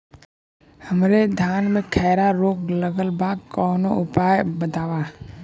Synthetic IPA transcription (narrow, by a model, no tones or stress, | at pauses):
həmɾed̪ʱjaːnmẽkʰɛːɾaɾoːkləɡəlbaːɡ̚kɔːnoʊpaːjbət̪aːwa